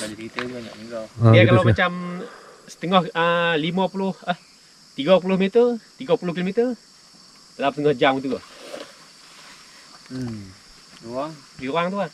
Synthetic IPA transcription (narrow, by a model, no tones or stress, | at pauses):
baɲakit̪əuaɲaʔiɡaijakalawmat͡ʃam | sə̥t̪əŋɔhəlimapulʊhəh | t̪iɡap̬ulʊhmit̪ərt̪iɡapulʊkilomit̪ər | dəlap̚st̪əŋɔhd͡ʒamit̪ua | uaŋɡioaŋt̪uah